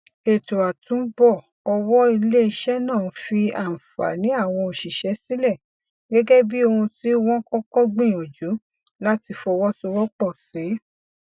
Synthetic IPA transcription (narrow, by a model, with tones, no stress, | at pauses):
e˨to˨a˨tũ˨˦bɔ˦˨ | ɔ˧wɔ˦i˧le˦i˧ʃɛ˦nãː˦˨˧fi˧a̰˨n̩˨fa̰˨nĩ˨˦a˦˨w̃ɔ̃˧o˨ʃi˨ʃɛ˨˦si˦lɛ˦˨ | ɡɛ˦ɡɛ˦bi˦o˧hũ˧ti˦wɔ̃˦kɔ̃˦kɔ˦ɡ͡bĩ˦˨o˨d͡ʒu˨˦ | la˦ti˧fɔ˧wɔ˦su˧wɔ˦k͡pɔ˦˨si˨˦